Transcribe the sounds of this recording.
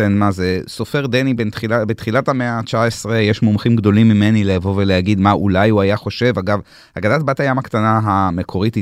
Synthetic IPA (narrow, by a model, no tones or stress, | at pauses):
enmazeso̞fe̞ʁd̪enibeniabet̪χilathameat͡ʃaesʁejeʃmomχimɡd̪o̞limːimenileːvo̞velehaɡid̪maʔulajhuajaχo̞ʃe̞vaɡav | haɡadat̚bathajamakt̪anaɦame̞kʰo̞ʁiti